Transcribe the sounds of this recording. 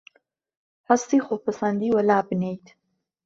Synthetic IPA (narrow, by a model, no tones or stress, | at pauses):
hast̪ixopasand̪iwalaːbnejt̪